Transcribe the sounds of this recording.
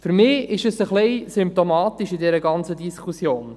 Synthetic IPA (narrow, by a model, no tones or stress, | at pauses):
fyɾmɪːɪʃəsəχliɪsʏmp̚t̪omɑːt̪iʃidɛɾəɡɑnt͡sədiskʰusjoːn